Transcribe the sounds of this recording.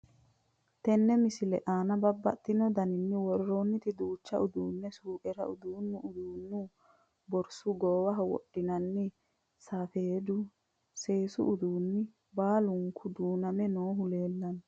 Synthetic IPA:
t̪ɛnːɛmɪsɪlɛʔaːnɐbɐbːɐ̰t̪ːɪnɔd̪ɐnɪnːɪwɔɾɾoːnːɪt̪ɪd̪uːt͡ʃːɐ̰ʔʊd̪uːnːɛsuːʔɛɾɐʔʊd̪uːnːʊʔʊd̪uːnːʊ | bɔɾsʊɡoːwɐɦɐwɔ̰ɗːɪnɐnːɪ | saːfeːd̪ʊ | se̞ːsʊ̰ʔːd̪uːnːɪ | baːlʊŋkʰʊd̪uːnɐmɛnoːɦʊle̞ːlːɐn

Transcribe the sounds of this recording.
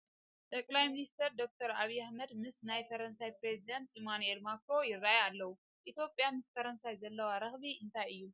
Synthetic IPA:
t̪ʼɐkʼlajminist̪ʰɐɾd̪o̞k̚t̪ʰɐɾaβijːahmɐd̪mɨsnajfɐɾɐnsajpɾezid̪ɐnt̪ʔimanue̞lmakɾo̞jɪrːajalːɐwu | ʔit̪ʰjo̞pʼjamɨsfɐɾɐnsajzɐlːɐwaɾɐxbiɨnt̪ʰajɨjːu

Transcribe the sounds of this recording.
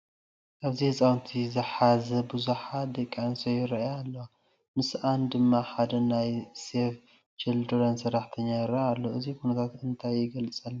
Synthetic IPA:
ʔaβzihɨsʼawnt̪ʰizɨħazɐbuzuħad̪ɐkʼːansojɪɾɐʔjalːɐwa | mɨsʔand̪ɨmːaħad̪ɐnajsef | t͡ʃɛld̪ɨɾɐnsɐɾaħt̪ʰɐɲːajɪɾɐʔalːo̞ʔɨzikunɐt̪ʰat̪ɨnt̪ʰajːɪɡɐlt͡sʼɐlː

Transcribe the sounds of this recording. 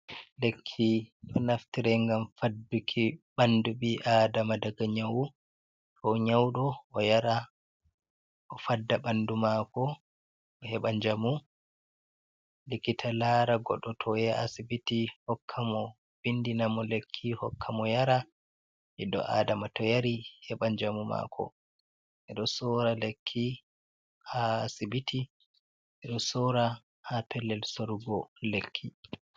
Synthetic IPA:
lekʰːiɗɔnaftiɾɛŋɡamfadːukʰiɓanduɓiʔaːdamadaɡaɲawu | tʰɔɲawɗɔɔjaɾa | ʔɔfadːaɓandumakɔ | ɔhɛɓaɲd͡ʒamu | likːitʰalaɾaɡɔ̰ɗɔtʰɔjɛasibitihɔkʰːamɔ | bindinamɔlekʰːihɔkʰːamɔjaɾa | ʔɛɗɔ̰ʔa̰ːdamatɔjaɾihɛɓaɲd͡ʒamuma̰kʰɔ̰ | ʔɛɗɔsɔɾalekʰːi | haːsibiti | ʔɛɗɔsɔɾa | hapʰɛlːɛlsoɾuɡɔlekʰːi

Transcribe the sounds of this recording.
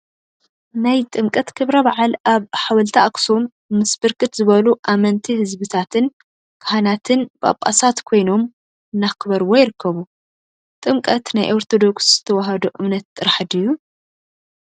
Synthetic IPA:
najt̪ʼɨmkʼɐt̪kʰɨβɾɐbaʕalaβħawɐlt̪ʰɐʔakʼsumː | ɨsbɨɾkɨt̪zɨβɐluʔamɐnt̪ʰihɨzbɨt̪ʰat̪ʰɨn | kʰɐɦanat̪ʰɨnbʼa̰pʼːa̰sat̪kʰo̞jno̞m | ɨnːakʰɨβɐɾwojɪɾɨkʰːɐβu | t̪ʼɨmkʼɐt̪najʔoɾt̪ʰo̞d̪o̞ksz̥ɨt̪ʰɐwɐɦɐd̪uʔɨmnɐt̪t̪ʼːɨɾaħɨd̪ɨjːu

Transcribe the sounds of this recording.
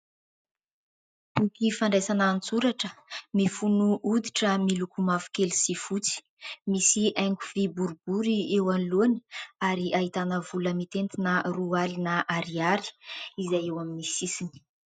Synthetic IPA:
ukifaɳɖ͡ʐejsanaːnt͡suɾaʈ͡ʂəmifunuʔud̪iʈ͡ʂəmilukumafu̥kelisifut͡si̥ | misiajŋkuvibuɾubuɾiewanluni̥aɾiʔaɦit̪anəvuləmit̪ent̪inərualinəʔaɾiaɾi̥izajewaminisisini̥

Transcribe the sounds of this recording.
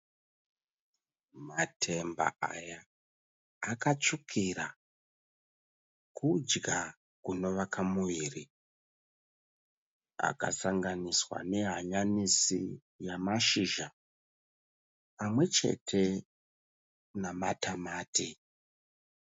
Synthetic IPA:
matʰe̞mba̰a̰jaː | kat͡ʂukʰiɾa | kʰud͡ʒɡa | kuno̞ʋakʰamuiːri | a̰ka̰saŋɡaniswa̰ne̞ɦaɲanisi | jamaʃiʒa | pamwe̞t͡ʃe̞̰tʰe̞ | namatamaːti

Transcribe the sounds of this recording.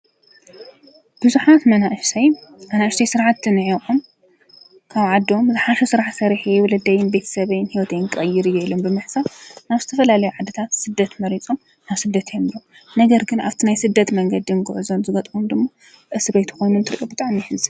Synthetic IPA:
b̥ɨzuħat̪mɐnaʔʃtʰɐjmɐnaɨʃt̪ajsɨɾʕat̪ɨnɨʕikʼom | kʰaβʕad̪ːio̞mzɨħaʃusɨɾaʕsɐɾiħewɔlɐd̪ɐjɪnbe̞t̪ʰɐ̥sɐβɐjnhiwɔt̪ʰejnkʼɐjːɪɾjɛlombɨmɨħsanaβzɨt̪ʰɐfɐlalɐjuʕad̪ɨt̪ʰat̪sɨd̪ːɐt̪mɐɾit͡sʼo̞m | naβsɨd̪ːɐt̪ʰjomilom | nɐɡɐɾɡɨna̰βt̪ʰinajsɨd̪ːɐt̪mɐŋɡɐd̪inɡʊʕuzonzɨɡɐt̪ʼumd̪ɨmːa | ʔɨsɨɾɐjt̪ʰɐ̥xojnunt̪ʰɨɾʔobɨt̪ʼaʕmijħɨzɨ

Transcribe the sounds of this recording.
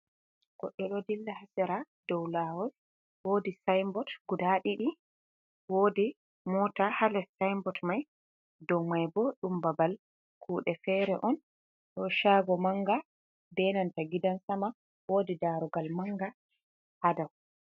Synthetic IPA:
ɡ̥ɔɗːɔɗɔdilːahasɛɾa | dɔwlaːwɔl | woːdisajmbɔtɡudaɗiɗi | woːdi | mɔtahalɛsajmbɔtmaj | dɔwmajbɔɗumbabal | kʰuːɗɛfɛɾɛʔɔn | ɗɔʃaːɡɔmaŋɡa | dɛnantaɡidansama | woːdidaɾuɡalmaŋɡa | hadaw

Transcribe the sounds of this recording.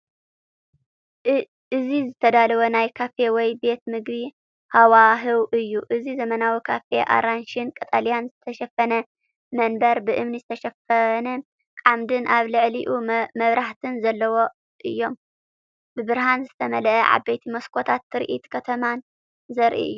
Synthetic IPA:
ʔɨzizɨt̪ʰɐd̪alɐwonajkʰafe̞wɔjbe̞t̪mɨɡbi | hawaɦɨwʔɨjːuʔɨzizɐmɐnawikʰafe̞ʔa̰ɾanʃinkʼɐt̪ʼalijanzɨt̪ʰɐʃɐfɐnɐ | mɐnbɐɾbɨʔɨmnizɨt̪ʰɐʃɐfɐnɐ | kʼamd̪ɨnʔaβlɨʕliʔumɐβɾʔaht̪ʰɨnzɐlːɐwo̞ | ʔɨjːo̞m | bɨbɨɾɦanzɨt̪ʰɐmɐlɐʔɐʕa̰bejt̪ʰimɐskʰot̪ʰat̪ːɨɾʔḭt̪kʰɐt̪ʰɐman | zɐɾʔḭʔɨ̰jːu

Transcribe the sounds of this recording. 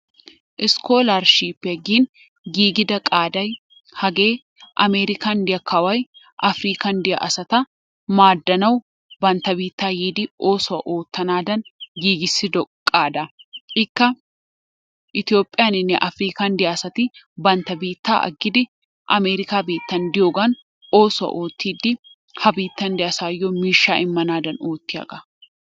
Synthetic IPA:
ʔɪsko̞ːlɐɾʃiːpːɛɐɡiːn | ɡiːɡɪd̪ɐkʼaːd̪ɐj | hɐɡe̞ː | ʔɐ̰meːɾɪkɐnd̪ɪjɐkʰɐwɐj | ʔɐfɾiːkɐnd̪ɪjɐ̰ʔɐsɐt̪ɐ | maːd̪ːɐnɐw | bɐnt̪ɐbiːt̪ːaːjiːd̪ɪo̞ːsʊwɐʔo̞ːt̪ːɐnaːd̪ɐnɡiːɡɪsːɪd̪ɔkʼaːd̪ɐɪkːɐ | ʔɪt̪ɪjo̞ːpʼːɪjaːnɪnːɛʔɐfɾiːkɐnd̪ɪjɐːsɐt̪ɪ | bɐnt̪ɐbiːt̪ːa̰ːʔɐ̰ɡɪd̪ɪ | ʔɐmeːɾɪkaːbiːt̪ːɐnd̪ɪjoɡɐn | oːsʊɐ̰ʔoːt̪ːiːd̪ɪ | hɐbiːt̪ːɐnd̪ɪʔɐsaːjːomiːʃaːʔɪmːɐnaːd̪ɐnoːt̪ːɪɐ̰kʼɐ̥

